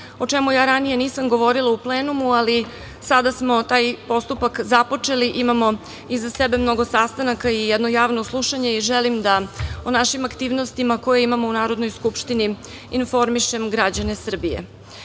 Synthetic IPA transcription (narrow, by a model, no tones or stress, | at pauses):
o̞t͡ʂemujaːɾanije̞niːsamɡo̞ʋo̞ɾilˠaupleːnumuali | sad̪asmo̞t̪aːjpo̞st̪upakzapo̞t͡ʂe̞liʔimamo̞ | izasebe̞mno̞ɡo̞sast̪anakaijɛd̪nojaːʋno̞slˠuʃaɲeiʒelimd̪aonaʃimakt̪iːʋno̞st̪imako̞jeimamo̞unaːɾod̪no̞jskupʃt̪ini | info̞ɾmiʃe̞mɡɾad͡ʑane̞sr̩bijḛ